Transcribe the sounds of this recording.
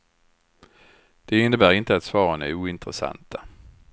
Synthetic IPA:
d̪̥ɛɪnːəbæːɾɪnt̪əat̪svɑːɾanɛuːɪnt̪ɾəsa̰nt̪ʰa

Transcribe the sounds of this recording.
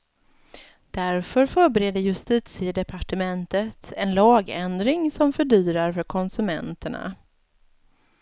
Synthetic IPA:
d̪̥æɾfœɾfœːɾbɛɾeːd̪əjɵst̪iːt̪sɪəd̪ɛpʰaʈəmɛnt̪ət̪ʰɛnlɑːɡɛnd̪ɾɪŋsɔmfœɖyːɾaɾfœɾkʰɔnsɵmɛ̰nt̪əɳa̰

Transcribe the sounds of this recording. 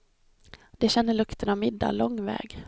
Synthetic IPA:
d̪̥ɛɕɛnːəɭɵkt̪ʰənamɪd̪ːa̰lɔŋːvɛ̰ːɡ

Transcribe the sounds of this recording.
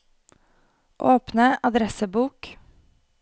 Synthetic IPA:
ʔoːpnəʔɑd̪ɾɛsəbuːk

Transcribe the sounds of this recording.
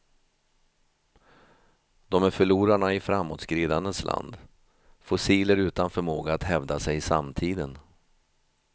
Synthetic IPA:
d̪ɔmæɾfœɭuːɾanaɪfɾamːoːt̪skɾiːd̪and̪ənslʔa̰nd̪ | fʊsiːləɾʉ̟ːt̪anfœɾmoːɡaːt̪hɛvd̪asɛjɪsa̰mt̪ʰiːd̪ən

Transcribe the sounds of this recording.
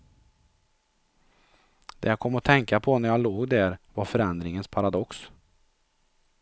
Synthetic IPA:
d̪̥ɛ̰jakʰɔmːɔt̪ʰɛŋkapʰɔnæɾjaloːɡd̪æɾvaɾfœɾɛnd̪ɾɪŋənspʰaɾad̪ɔks

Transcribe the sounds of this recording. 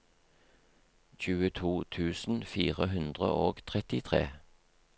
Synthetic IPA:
çʉːət̪ʰuːt̪ʰʉːsn̩fiːʁəɦʉnd̪ʁə̰ʔoːɡt̪ʰʁɛt̪ɪt̪ʰʁḛː

